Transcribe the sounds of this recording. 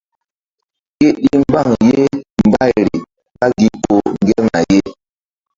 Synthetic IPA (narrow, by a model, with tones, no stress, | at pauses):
ke˦ɗi˦m˦ba˦˨ŋje˦m̩˨ba˦˨ɾi˨ | ka˦ɡi˨po˨ŋ˨ɡɛ˦ŋa̰˨je˦